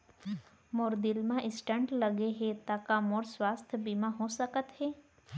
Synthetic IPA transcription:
moːɾd̪ɪlmãʔɪsʈə̃ɳʈləɡeɦet̪akamoːɾswaːst̪ʰəbimãɦosəkət̪ɦɛː

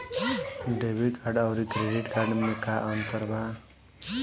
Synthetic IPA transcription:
ɖebikaɾɖawɾikɾeɖiʈkaɾɖmekaʔʌnt̪ʌɾba

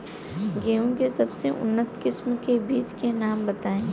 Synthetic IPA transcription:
ɡeːũkesɐbseʔʊ̰nːət̪kɪsmkebiːt͡ʃkenaːmbɐt̪aːẽː

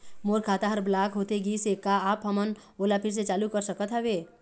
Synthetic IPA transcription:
moːɾkʰaːt̪aɦəɾblaːkɦoːt̪eɡiːsekaaːpɦɐmən | oːlapʰɪɾs̬et͡ʃaːlukəɾsəkət̪ɦɛʋeː

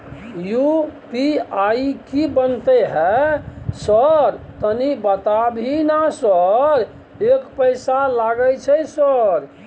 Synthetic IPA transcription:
jupiaikibənt̪eɦɛ | səɾt̪ənibət̪abʱinasəɾ | ekpəɪsalaɡət͡ʃʰɛsəɾ

